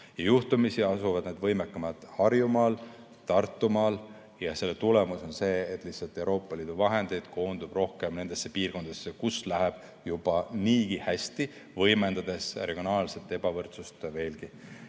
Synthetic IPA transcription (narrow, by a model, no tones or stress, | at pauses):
jɑjuht̪umisiɑsuvɑd̪ned̪̥vɤ̞jmekːˑɑmɑt̪hɑrjumɑːl | t̪ɑrt̪ːumɑːl | jɑse̞lːet̪ule̞muso̞nse̞ːt̪ːˑlihsɑlt̪ːˑe̞uɾo̞ːpːˑɑliːd̪̥uvɑɦe̞nd̪̥e̞jd̪̥ko̞ːnd̪ub̥ro̞hke̞mne̞nd̪̥e̞sːe̞piːrko̞nd̪ɑd̪̥esːekuslæɦeb̥ | jub̥ɑniːɡihæsʲt̪i | vɤ̞jme̞nd̪ɑd̪̥e̞sre̞ɡijo̞nɑːlse̞t̪ːˑe̞b̥ɑvɤrt̪sust̪ve̞ːlɡi